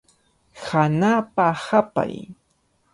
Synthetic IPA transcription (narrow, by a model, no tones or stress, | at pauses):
xanaːpahapa̰j